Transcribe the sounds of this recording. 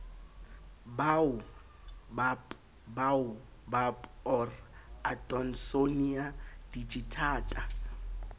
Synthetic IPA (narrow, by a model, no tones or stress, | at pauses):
baʊ | bap | baʊ | bapʼɔratʼɔnsoniad̥it͡ʃʼitʰaːtʼa